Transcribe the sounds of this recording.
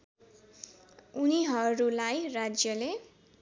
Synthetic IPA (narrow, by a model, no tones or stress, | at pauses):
uniɦʌɾulajrad͡zjʌle